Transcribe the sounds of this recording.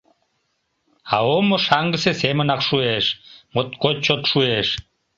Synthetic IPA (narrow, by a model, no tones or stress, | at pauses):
ɑomoʃɑŋɡəsesemə̆nɑkʃueʃmot̪kot̚t͡ɕot̪ʃueʃ